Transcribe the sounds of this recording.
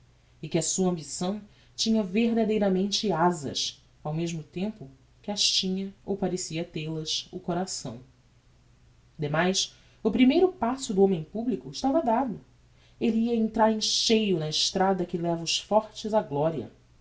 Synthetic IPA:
ɪkɪɐsuɐɐ̃mbisɐ̃w̃ | t͡ʃĩɲɐveɦd̪ad̪ejɾɐmẽnt͡ʃɪazɐ̰s | awmeʒmʊt̪ẽmpʊ | kɪaʃt͡ʃĩɲɐowpaɾesiɐt̪elɐsʊkoɾasɐ̰̃w̃ | d̪emajs | ʊpɾimejɾʊpasʊd̪ʊõmẽj̃publikʊɪʃt̪avɐd̪ad̪ʊ | eliiɐẽnt̪ɾaɾẽj̃ʃejʊnɐɪʃt̪ɾad̪ɐkɪlɛvɐʊʃfɔɾt͡ʃɪzaɡlɔɾiɐ̰

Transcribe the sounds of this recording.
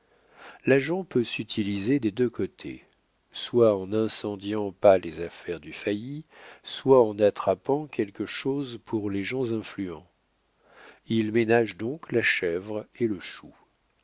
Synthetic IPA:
laʒɑ̃pøsyt̪ʰilized̪ed̪økɔt̪ʰḛ | swaɑ̃nɛ̃sɑ̃d̪jɑ̃palezafɛʁd̪yfajiswaɑ̃nat̪χapɑ̃kʲɛlkəʃozpʰuʁleʒɑ̃zɛ̃flyɑ̃ | ilmenaʒd̪ɔ̃klaʃɛvʁeləʃu

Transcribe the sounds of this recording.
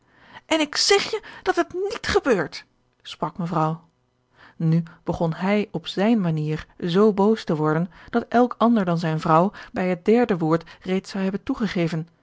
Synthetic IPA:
ʔɛnɪksɛχjəd̥ɑtɦətnitχəbøːɹt | sprɑkməvrɑw | nyb̥əχɔnɦɛjɔpzɛjnmaniːɹzowbowstəʋɔɹdənd̥ɑtʔɛlˠkɑndəɹdɑnzɛjnvrɑwbɛjɦət̚dɛɹdəʋʊːɹtrejtsɑwɦɛbəntuχəχejvən

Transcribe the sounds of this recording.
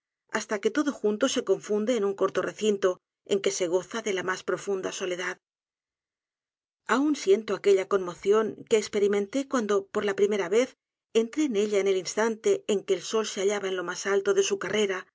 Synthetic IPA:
a̰st̪ake̞t̪o̞ðo̞xunt̪o̞se̞ko̞ɱfund̪e̞ːnuŋko̞ɾt̪o̞rʔe̞θint̪o̞ | e̞ŋke̞se̞ɣ̞o̞θaðe̞lamaspɾo̞fund̪aso̞le̞ðað | aunsje̞nt̪o̞ake̞ʎako̞nmo̞θjo̞ŋke̞ːkspe̞ɾimẽ̞nt̪e̞kwand̪o̞po̞ɾlapɾime̞ɾaβe̞θ | ent̪ɾe̞ːne̞ʎaene̞linst̪ant̪e̞ːŋke̞ːlso̞lseaʎaβaenlo̞masalt̪o̞ðe̞sukare̞ɾa

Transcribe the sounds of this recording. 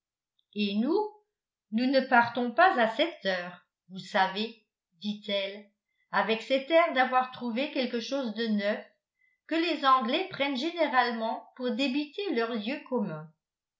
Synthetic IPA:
enu | nunəpaʁt̪ɔ̃pazasɛt̪œːʁ | vusave | d̪it̪ɛl | avɛksɛt̪ɛʁd̪avwaʁt̪χuvekɛlkəʃoːzd̪ənœf | kəlezɑ̃ɡlɛpχɛnʒeneʁalmɑ̃puʁd̪ebit̪elœʁljøkɔmɛ̃

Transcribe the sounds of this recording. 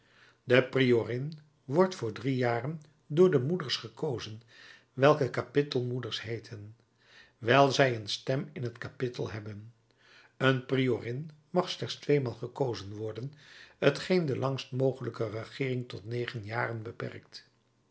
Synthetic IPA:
dəprioːrɪn | ʋɔɹtfʊːɹdrijaːrən | dʊːɹdəmudəɹsχəkowzən | ʋɛlˠkəkapɪtəlˠmudəɹsɦejtʰən | ʋɛlˠzɛjənstɛmɪnɦətkapɪtə̰lˠɦɛbən | ənprijorɪnmɑχslɛχtstʋejmaːlˠχəkowzənʋɔɹdənɦətχejndəlɑŋstmowχələkərəχɪːrɪŋtɔtnejχənjaːrənbəpɛ̰rk̚t

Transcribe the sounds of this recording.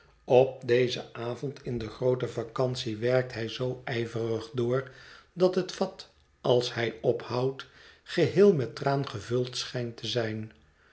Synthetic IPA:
ɔp̚dejzə̰aːvɔntʰɪndəχrowtəvɑkɑnsiʋɛrk̚tɦɛjzowɛjvərəχdʊːɹdɑtɦətfɑt | ɑlˠshɛjɔphɑwtχəɦɪːlˠmɛtraːnχəvɵlˠtsχɛjntəzɛjn

